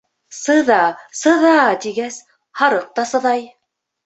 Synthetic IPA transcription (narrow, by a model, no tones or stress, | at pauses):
sɤðɑsɤ̆ðɑt̪iɡæs | hɑɾɤq̚t̪ɑsɤ̆ðɑj